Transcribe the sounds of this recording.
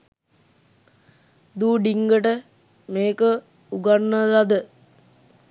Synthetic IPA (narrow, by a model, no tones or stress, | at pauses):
d̪uːɖiŋɡəʈə | meːkə | uɡanːəlad̪ə